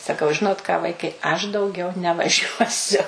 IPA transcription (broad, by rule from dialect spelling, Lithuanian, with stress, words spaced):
sɐˈkɐʊ ˈʒʲɪnoːt kɑː ˈʋɐɪkɐɪ ɐʃ dɐʊˈɡʲɛʊ nʲɛʋɐˈʒʲuɔsʲʊ